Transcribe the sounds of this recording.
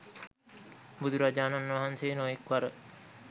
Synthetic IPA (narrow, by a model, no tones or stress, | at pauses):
bud̪ʱuɾad͡ʒaːnanʋaɦanseːnojekʋaɾə